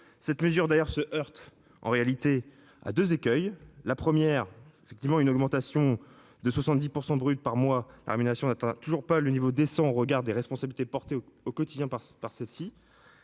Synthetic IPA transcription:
sɛt̪məzyʁd̪ajœʁsəʔœʁt̪ | ʔɑ̰̃ʁealit̪e | a̰d̪øzekʲœjlapχəmjɛʁefɛk̚t̪ivmɑ̃ynɔɡmɑ̃t̪asjɔ̃ | d̪əswasɑ̃t̪̚d̪ipuʁsɑ̃bʁyt̪̚paʁmwala̰ʁemineʁasjɔ̃nat̪ɛ̃t̪uʒuʁpalənivod̪esɑ̃oʁəɡaʁd̪eʁɛspɔ̃sabilit̪epɔʁt̪eokɔt̪id̪jɛ̃papaʁsɛlsi

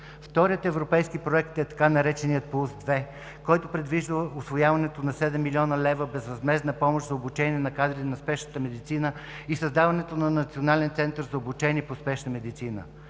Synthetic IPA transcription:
ft̪ɔɾijət̪ɛvɾopɛjskipɾoɛkt̪ɛt̪ɐ̥kanɐɾɛt͡ʃɛnijət̪̚pˠusd̪vɛ | kɔjt̪opɾɛd̪viʒd̪əʊsvojavɐnɛt̪onɐsɛd̪ɛmːilʲiɔnəlɛvəbɛzɾɐzmɛznəpɔmoʃzɐobut͡ʃɛniɛnɐkad̪ɾit̪ɛnɐspɛʃnət̪əmɛd̪it̪sinə | isəzd̪avɐnɛt̪onɐnɐt̪sionalɛnt̪sɛnt̪əɾzɐobut͡ʃɛniɛpospɛʃnəmɛd̪it̪sinə̰

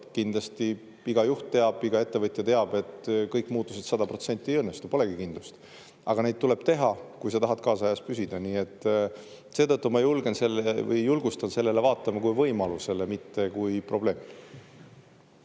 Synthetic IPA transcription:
kind̪lɑst̪i | iɡ̥ɑjuht̪ːt̪e̞ɑb̥iɡ̥ɑe̞t̪ːe̞vɤt̪ˑjɑt̪e̞ɑb̥e̞t̪kɤjkːˑmuːt̪ˑːuset̪sɑd̪ɑpro̞t̪se̞nʲt̪ːˑiejɤ̞nːe̞st̪upo̞le̞ɡ̥ikind̪̥lust̪ | ɑ̰ɡ̥ɑne̞jd̪̥̚tule̞b̥t̪e̞ɦɑkujs̬ɑt̪ɑɦɑt̪̚kɑːsɑɑjɑspysid̪̥ɑniːe̞t̪ːˑ | se̞ːt̪ɤt̪ːumɑejulɡe̞nse̞lːevɯ̰jːulɡ̥ust̪ɑnse̞lːe̞le̞vɑːt̪ːˑɑmɑkujvɤ̞jmɑluse̞lemit̪ːe̞kujpro̞b̥le̞ːm

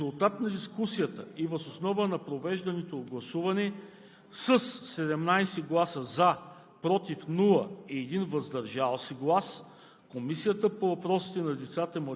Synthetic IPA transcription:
ulˠt̪at̪nɐd̪iskusijət̪əivəzosnɔvənɐpɾovɛʒd̪ɐnɛt̪oːd̪̚ɡlˠɐsuvɐnɛ | səsːɛd̪ɛmnajsɛɡlˠasəza | pɾɔt̪ifnulˠəiɛd̪invɐzd̪ɐɾʒalˠsiɡlˠas | komisijət̪əpovɐpɾɔsi̥t̪ɛnɐd̪ɛt̪sat̪əɛm

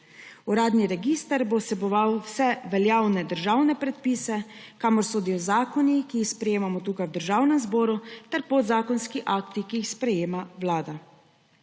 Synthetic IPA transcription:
uɾaːd̪niɾɛɡist̪əɾbosɛbɔʋawwsɛʋɛljaːwnɛd̪əɾʒaːwnɛpɾɛt̪̚piːsɛkaːmɔɾsoːd̪ijɔzaːkɔnikiːxspɾɛjeːmamɔt̪uːkajwd̪əɾʒaːwnɛmzbɔːɾut̪ɛɾpod̪zaːkɔnskiʔaːkt̪ikiːxspɾɛjeːmaʋlaːd̪a

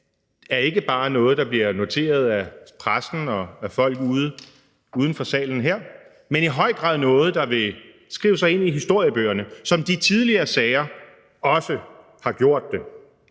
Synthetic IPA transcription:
æɐe̝ɡ̥əb̥ɑ̈ːnɔ̽ːð̞̩ˠd̥ɑ̈b̥liɐno̝t͡sʰe̝̰ːɐð̞ˠæpʰʁasn̩ɒ̽æfɒ̽l̰ɡ̥uðˠ | uðˠən̩fɒ̽sɛ̰ːln̩ɦeɐ̰ | meniɦɒ̽ɪ̰ɡ̥ʁɑ̈ð̰ˠnɔ̽ːð̞̩ˠd̥ɑ̈ʋe̝ | sɡ̥ʁḭːʊəsɑ̈ɪe̝n̰iɦisd̥o̝ɐ̰jəb̥ø̰ːɐnəsɒ̽md̥it͡sʰið̞ˠliɐːsɛːɐ | ɒ̽sə | hɑ̈ɡ̥jo̝ɐ̰d̥̚ːe

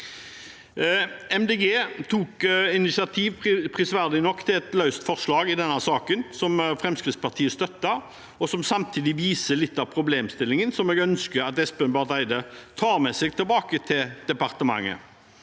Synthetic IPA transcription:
ɛmd̪eːɡeːt̪ʰuːkɪnɪsɪɑt̪ʰiːʋpʰʁɪsʋæʁd̪ɪnɔkːt̪ʰɪlɛt̪lœʉst̪fɔʁʂlɑːɡɪd̪ɛnːəsɑːkənsɔmfʁɛmskʁɪt̪spɑʁt̪ʰiːəst̪œt̪ːə | ɔsɔmsɑmt̪ʰiːd̪ɪʋiːsəlɪt̪ːɑʋpʰɾʊbleːmst̪ɪlːɪŋənsɔmɛːɡœnskəɑt̪ɛspɛnbɑʁd̪æɪd̪ət̪ʰɑːɾmɛsɛɡ̚t̪ɪlbɑːkət̪ʰɪld̪̥ɛpɑʁt̪əmɑ̰ŋːə̰

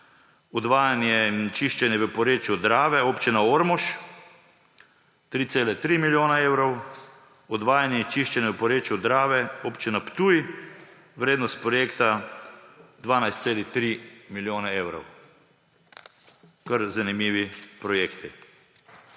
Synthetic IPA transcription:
ɔd̪ʋaːjanjɛint͡ʃiʃt͡ʃɛnjɛʋəpɔɾeːt͡ʃjud̪ɾaːʋɛoːpt͡ʃinaoɾmɔʃ | t̪ɾiːt̪seːlɛt̪ɾimiljoːnaeːwɾɔw | ɔd̪ʋaːjanjɛt͡ʃiʃt͡ʃɛnjɛʋəpɔɾeːt͡ʃjud̪ɾaːʋɛopt͡ʃinapt̪uj | ʋɾeːd̪nɔst̪̚pɾɔjeːkt̪a | d̪ʋaːnajst̪seːlixt̪ɾimiljoːnaeːwɾɔ̰w | kəɾzanimiːʋipɾɔjeːkt̪i

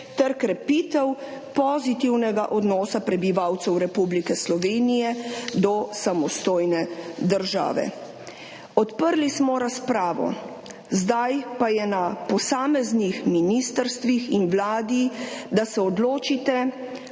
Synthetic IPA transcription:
t̪ɛɾkɾɛpit̪ɛw | pɔzit̪iwnɛɡa̰ʔɔd̪nɔːsapɾɛbiʋawt̪sɛwɾɛpublikɛslɔʋeːnijɛd̪ɔsamɔst̪oːjnɛd̪əɾʒa̰ːʋɛ̰ | ɔt̪pəɾlismɔɾaspɾaːʋɔ̰ | zd̪ajpajɛnapɔsaːmɛznixminist̪əɾst̪ʋixinwlaːd̪id̪asɛɔd̪loːt͡ʃit̪ɛ

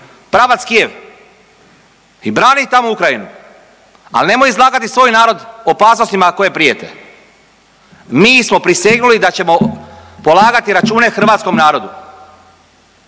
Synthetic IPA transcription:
pɾaːʋat̪skije̞ʋ | ibɾaːnit̪amoukɾajinu | a̰lne̞mojizlˠaːɡat̪isʋo̞ːjnaːɾo̞d̪o̞paːsnost̪imako̞je̞pɾije̞t̪e̞̰ | miːsmo̞pɾiseɡnulid̪at͡ɕe̞mo̞po̞lˠaːɡat̪iɾat͡ʃuːne̞xr̩ʋaːt̪sko̞mnaːɾo̞d̪u

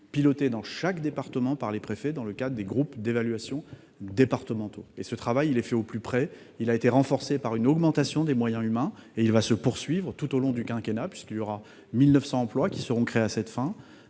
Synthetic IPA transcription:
pilɔt̪ed̪ɑ̃ʃakd̪epaʁt̪əmɑ̃paʁlepχefɛd̪ɑ̃ləkad̪ʁəd̪eɡʁupd̪evalɥasjɔ̃ | d̪epaʁt̪əmɑ̃t̪oesət̪χavajilɛfɛoplypχɛ | ilaet̪eʁɑ̃fɔʁsepaʁynɔɡmɑ̃t̪asjɔ̃d̪emwajɛ̃ymɛ̃eilvasəpuʁsɥivʁət̪ut̪olɔ̃d̪ykʲɛ̃kʲenapɥiskiljɔʁa | milnəfsɑ̃ːplwakʲisəʁɔ̃kχeasɛt̪fɛ̃

